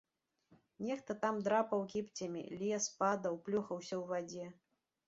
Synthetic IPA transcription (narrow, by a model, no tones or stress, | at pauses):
nʲɛxt̪ɐt̪amd̪ɾapɐwkʲipt͡sʲɐmʲḭlʲɛspad̪ɐwplʲuxɐwsʲɐwvad͡zʲɛ